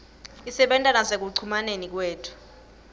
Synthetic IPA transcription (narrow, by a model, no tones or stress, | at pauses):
isɛɓɛntʼanazek̬uǀʰumanenik̬weːtʰu̥